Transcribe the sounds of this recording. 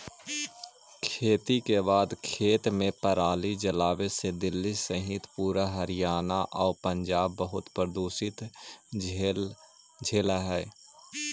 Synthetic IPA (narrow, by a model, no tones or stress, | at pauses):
kʰeːt̪ikebaːd̪kʰeːt̪mẽpəɾaːlid͡ʒɐlaːʋesed̪ɪlːisəɦɪt̪puːɾaɦɐɾɪjaːnaʔɔːɾpə̃ɲd͡ʒaːbːəɦʊt̪pɾəd̪uːsɪt̪ | d͡ʒʱeːlaɦɛː